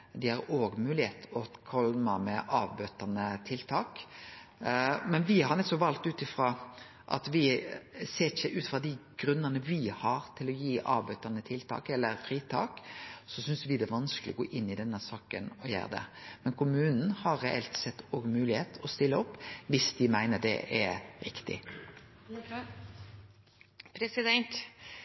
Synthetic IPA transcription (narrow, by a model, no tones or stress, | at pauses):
d̪ɪhɑɾoːɡmʉːlɪheːt̪ɔkʰɔlməmɛʔɑːʋbøt̪ɑnət̪ʰɪlt̪ʰɑːk | mɛnʋɪhɑɾnɛt̪sɔʋɑlt̪ʉːt̪ɪfɾɑ | ʔɑ̰t̪ʋɪseːɪçəʔʉːt̪fʁɑd̪ɪɡ̥ɾʉnːənəʋɪhɑɾt̪ʰɪlɔjiːʔɑ̰ːʋbøt̪ɑnət̪ʰɪlt̪ʰɑ̰ːkɛlːəɾfɾiːt̪ʰɑ̰ːksɔsʏnsʋɪd̪ɛʋɑnsklɪɔɡo̰ːʔɪnːɪd̪ɛnːəsɑːkənɔjæ̰ːʁd̪ɛ̰mɛnkʰʊmʉːnn̩hɑɾɾɛɛ̰lt̪sɛt̪ːoːɡmʉːlɪheːt̪ɔst̪ɪlːəɔpːʋɪsd̪ɪmæɪnəd̪ɛ̰ʔɛɾɪkt̪ɪ̰ | pʰɾɛsɪd̪ɛnt̪